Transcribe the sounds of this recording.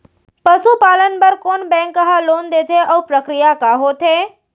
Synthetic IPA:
pɐsupaːlənpɐɾkoːnbɛ̃ːŋkəɦaloːnd̪eːt̪ʰeʔɔːpɾəkɾijakaɦoːt̪ʰeː

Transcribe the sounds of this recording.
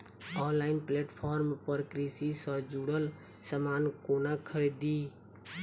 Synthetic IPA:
ɔnlaɪinpleʈpʰɔɾmpəɾkɾisisə̃d͡ʒuɽəl | səmankonakʰəɾd̪i

